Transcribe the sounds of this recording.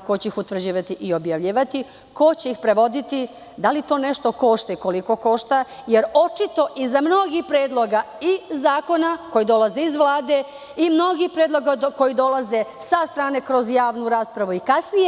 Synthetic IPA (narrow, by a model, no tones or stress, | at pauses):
kot͡ɕeixut̪ʋr̩d͡ʑiːʋat̪iʔio̞bjaʋʎiːʋat̪i | ko̞t͡ɕeixpɾeʋo̞d̪it̪i | d̪alit̪o̞ne̞ʃt̪o̞ko̞ʃt̪aiko̞liko̞ko̞ʃt̪a | jeɾo̞t͡ʃit̪o̞ʔizamno̞ɡihpɾeːd̪lˠo̞ɡaizaːko̞nako̞jid̪o̞lˠazeizʋlˠaːd̪e̞ | imno̞ɡixpɾeːd̪lˠo̞ɡako̞jid̪o̞laze̞sast̪ɾaːne̞kɾo̞zjaːʋnuɾaːspɾaʋuikasnije